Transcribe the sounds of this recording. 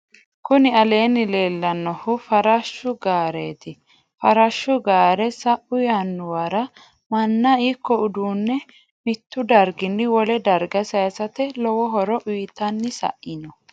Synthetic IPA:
kʊnɪɐle̞ːnɪle̞ːlːɐnːɔhʊfɐɾɐʃːʊɡaːɾeːt̪ɪ | fɐɾɐʃːʊɡaːɾɛsɐʔʊjanːʊwɐɾɐ | mɐnːɐikːɔʊd̪uːnːɛ | mɪt̪ːʊd̪ɐɾɡɪnːɪwɔlɛd̪ɐɾɡɐsɐjɐsɐt̪ɛlɔwɔɦɔɾɔʔʊjt̪ːɐnːɪsɐ̰ʔɪnɔ

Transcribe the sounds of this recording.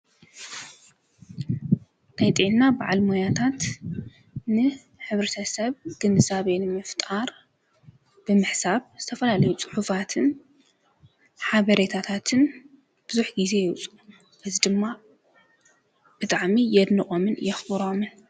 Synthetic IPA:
najt̪ʼiʕnnabaʕalmojat̪ʰat̪ | nɨ | ħɨβɾɐt̪ʰɐsɐβɡ̥ɨnɨzaβenɨmɨft̪ʼaɾ | b̥ɨmɨħsaβz̥ɨt̪ʰɐfɐlalɐjut͡sʼɨ̥ħufat̪ʰɨn | ħaβɐɾet̪ʰat̪ʰat̪ʰɨn | b̥ɨzuħɡize̞jɛwt͡sʼu | ʔɨzid̪ɨmːa | b̥ɨt̪ʼaʕmijɛd̪nɨχʼomɨnjɛxbɨɾo̞mɨn

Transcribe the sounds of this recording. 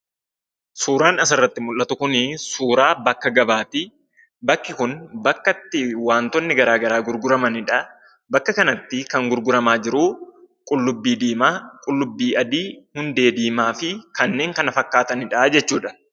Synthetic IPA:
suːɾaːnɐs̬ɐrːɐt̪ːɪmʊlʔɐt̪ʊkʊnɪsuːɾaːbɐkːɐɡɐbaːt̪ɪ | bɐkːɪkʊnbɐkːɐt̪ːɪwaːnt̪ɔnːɪɡɐɾaːɡɐɾaːɡʊɾɡʊɾɐmɐnɪᶑɐ | bɐkːɐkɐnɐt̪ːɪkɐŋɡʊɾɡʊɾɐmaːd͡ʒɪɾuː | kʼʊlːʊbːiːd̪iːmaːkʼʊlːʊbːiːʔɐd̪iːhʊnd̪e̞ːd̪iːmaːfɪkɐnːe̞ːŋkɐnɐfɐkːaːt̪ɐnɪᶑɐd͡ʒɛt͡ʃːuːᶑɐ̥

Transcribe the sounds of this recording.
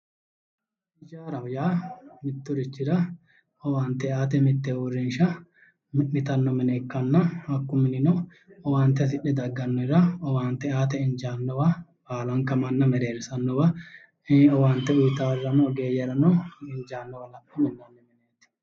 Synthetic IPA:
ɪd͡ʒaːɾɐwʊjaːmɪt̪ːʊɾɪt͡ʃːɪɾɐ | ɔwaːnt̪ːɛaːt̪̬ɛmɪt̪ːɛwʊrːɪnʃɐ | mɪt̪ɐnːɔmɪneːkːɐnːɐɐkːʊmɪnɪnɔ | ɔwaːnt̪ːɛs̬ɪɗːɛd̪ɐɡːɐnːɔɾɐɔwaːnt̪ːɛaːt̪̬ɛɪnd͡ʒaːnːɔwɐbaːlɐŋkɐmɐnːɐmɛɾeːɾsɐnːɔwɐ | ɔwaːnt̪ːɛʊjt̪aːɾːɐnɔɡe̞ːjɛɾɐnɔɪnd͡ʒaːnːɔwɐlɐpːɐmɪnːɐnːɔmɛneːt̪ː

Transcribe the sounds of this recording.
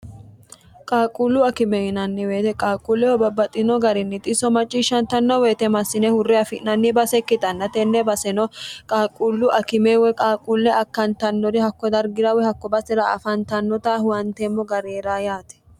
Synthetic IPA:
kʼaːkʼulːʊɐkɪmɛɪnɐnːɪwe̞ːt̪ɛkʼaːkʼulːɛwɔbɐbɐt̪ʼːɪnɔɡɐɾɪnːɪt̪ʼɪsɔmɐt͡ʃʼːiːʃːɐnt̪ɐnːɔweːt̪ɛmɐsːɪnɛhʊrːɛɐfɪʔnɐnːɪbɐsɛkːɪt̪ʼɐnːɐt̪ɛnːɛbɐsɛnɔkʼaːkʼulːʊʔɐkɪmewɛkʼaːkʼulːɛɐkːɐnt̪ɐnːɔɾɪhɐkːɔd̪ɐɾɡɪɾɐwɛhɐkːɔbɐsɛɾɐɐ̰fɐnt̪ɐnːɔt̪ahwɐnt̪eːmːɔɡɐɾeːɾaːjaːt̪ɛ̥

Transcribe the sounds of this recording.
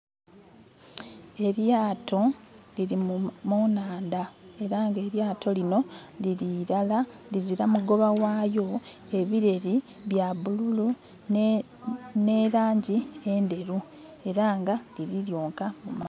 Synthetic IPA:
e̞ɾjaːtʰo̞liɾimunaːnda | e̞ɾaːŋɡe̞ːɾjaːtʰo̞lino̞ | liɾiɾala | liziɾamuɡo̞βawaːjo̞ | e̞βiɾe̞ɾi | βjaβululu | ne̞ːɾaːɲɟiende̞ɾu | e̞ɾaːŋɡaliɾiɾjoːŋkamuma

